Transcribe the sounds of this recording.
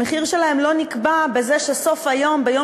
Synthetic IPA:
eχiʁʃelahemlo̞nikbabezeʃeso̞fhajombejo

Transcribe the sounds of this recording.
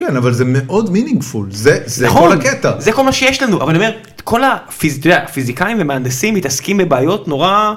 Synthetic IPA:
kenavalzemeʔo̞d̪miniŋɡfulzezneaχoolaket̪azeko̞lmaʃe̞jeʃlanuʔa̰valniome | kʰo̞lafizdefizikaiɱvemeaːndesimːit̪askimbebeːjo̞tno̞ʁa

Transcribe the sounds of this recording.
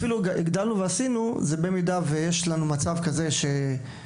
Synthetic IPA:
filuaʔiɡd̪alnuveasinuze̞be̞midavejeʃlanumat͡savkaze̞ʃe̞

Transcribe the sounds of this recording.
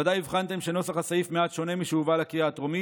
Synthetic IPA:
ad̪ajivχant̪emʃeno̞saχasajifmeat̪ʃo̞ne̞miʃuvalakiaːt̪ʁomi

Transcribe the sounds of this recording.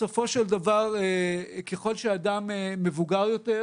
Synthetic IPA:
sofo̞ʃeld̪avaʁeke̞χo̞lʃead̪ameːevuɡaʁjo̞te

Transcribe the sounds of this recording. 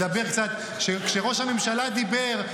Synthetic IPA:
abe̞ʁkt͡sat̪ | ʃekʃeʁo̞ʃhamemʃalad̪ibe̞ʁ

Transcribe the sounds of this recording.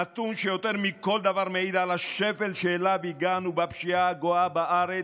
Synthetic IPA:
at̪unʃejo̞t̪eʁmiko̞ld̪avaʁmeid̪alaʃevelʃelaveiɡanubapʃiaɡoabaʔaʁe

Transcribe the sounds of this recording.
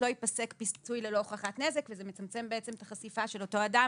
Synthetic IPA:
lo̞ipase̞kpist͡sujlelo̞ːχaχatne̞zekvezemet͡samt͡se̞mbeet͡se̞mt̪aχasifaʃe̞lo̞to̞ada

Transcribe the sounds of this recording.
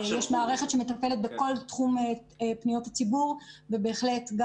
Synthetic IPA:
jɛʃmaːʁe̞χe̞tʃemetape̞let̪̚beko̞ltχume | pnijo̞that͡sibuʁvebe̞ːχle̞tɡa

